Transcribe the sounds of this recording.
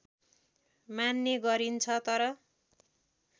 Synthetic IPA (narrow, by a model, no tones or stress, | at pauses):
manːeɡʌɾint͡sʰʌt̪ʌɾʌ